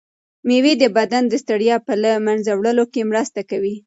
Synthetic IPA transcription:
mewed̪əbad̪and̪əst̪aɽjɑpəlamanzawɽəlokemɾəst̪akawi

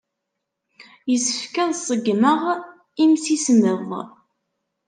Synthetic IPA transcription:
jəsə̥fkæðsˤəɡməʁ | imsisməðˤ

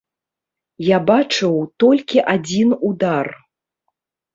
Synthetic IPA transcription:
jabat͡ʂɨwt̪ɔlʲkʲiʔad͡zʲinud̪ar

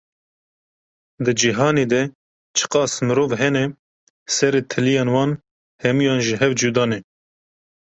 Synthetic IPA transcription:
d̪ɨd͡ʒiɦɑːneːd̪ɛ | t͡ʃʰə̥qɑːsmɨɾoːvɦɛnɛ | sɛɾeːt̪ʰɨlijɑːnwɑːn | hɛmujɑːnʒəɦɛvd͡ʒud̪ɑːnɛ

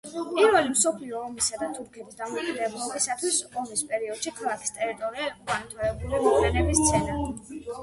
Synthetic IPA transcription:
pʼiɾvɛlimsɔpʰliɔːmisad̪at̪ʰʼuɾkʰɛt̪ʰisd̪amɔkʼid̪ɛblˠɔbisat̪ʰwisɔmispʼɛɾiɔd̪̥ʃikʰalˠakʰi̥st̪ʼɛɾit̪ʼɔɾiaukʼant̪ʰɾɛːbulimɔkʰlɛnɛbist̪sʰɛna

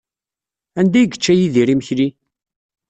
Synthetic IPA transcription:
ænd̪æjɡə̥t͡ʃːæjiðiɾiməçli

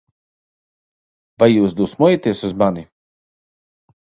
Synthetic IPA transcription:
vajːuːsd̪uːsmɔjat̪iɛsuzmani

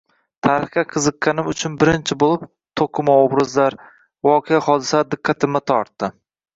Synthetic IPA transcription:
t̪ʰaɾɪχkʲaqʰɨzɨqːanɪmʊt͡ʃʰʊnbɪɾɪnt͡ʃʰɪbolˠɪp | t̪ʰoqʰʊmaobɾɪzlaɾ | vɒqʰejahɒd̪ɪsad̪ɪqʰːat̪ʰɪmːat̪ʰɒɾt̪ːɪ

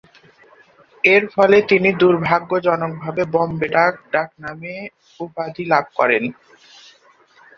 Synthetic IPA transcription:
eɾfɔlet̪inid̪uɾbʱaɡːod͡ʑɔnok̚bʱabebɔmbeɖak̚ɖak̚name | upad̪ʱilab̚kɔɾen

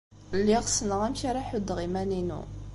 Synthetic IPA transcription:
lːiʁsnəʁæmçaɾˤaħʊd̪ːʁimæninṵ

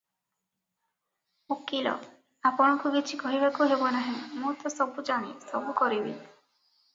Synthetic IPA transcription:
okilɔ̰ | apɔɽ̃ɔkuɡit͡ʃʰikɔɦibakuɦebɔnaɦẽmũt̪ɔsɔbud͡ʒaɽ̃ḭsɔbukɔɾibḭ

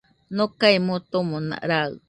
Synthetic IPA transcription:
nokaimõt̪omõnã̰ʔɾaɯ̰

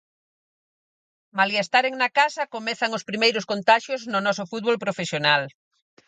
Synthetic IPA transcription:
maliest̪aɾeŋnakasɐkomɛθaŋospɾimejɾʊskont̪aʃjoznʊnɔsʊfut̪̚βolpɾofesjonal

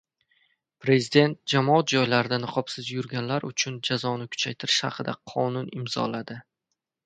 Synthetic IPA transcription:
pɾe̞zɪd̪e̞nt̪̚d͡ʒamɒat̪̚d͡ʒɒjlaɾɪd̪anɨqʰɒpsɪzjʊɾɡʲanlaɾʊt͡ʃʰʊnd͡ʒazɒnɪkʰʊ̥t͡ʃʰajt̪ʰɪɾɪʃhɑ̰qʰɨd̪aqʰɒnʊnɪmzɒ̰lad̪ɪ

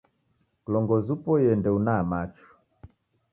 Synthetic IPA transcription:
klɔŋɡɔzupɔjɛndɛunamat͡ʃu̥

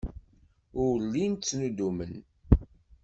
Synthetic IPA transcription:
ʊɾlint͡sːnud̪umən

